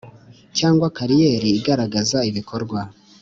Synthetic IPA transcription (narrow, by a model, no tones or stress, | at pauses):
caːŋɡwakaɾije̞ɾiːɡaɾaɡazaiβikʰo̞ɾɡwa